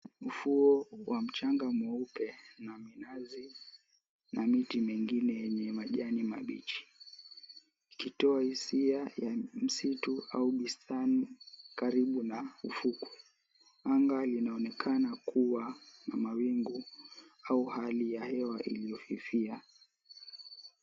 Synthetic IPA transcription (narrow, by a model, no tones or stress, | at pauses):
mufuɔwam̩t͡ʃaŋɡamɔupɛnaminazi | namitimɛŋɡinɛjɛɲɛmaʄanimaɓit͡ʃi̥ | ikitɔahisiajam̩situa̰uɓistanikaɾiɓunaufuku̥ | aŋɡalinaɔnɛkʰanakʰuwanamawiŋɡu | auhalijahɛwaʔḭlijɔfifia